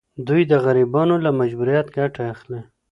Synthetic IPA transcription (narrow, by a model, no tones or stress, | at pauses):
d̪ujd̪əɣaɾibɑnolamad͡ʒbuɾijat̪ɡaʈaaxle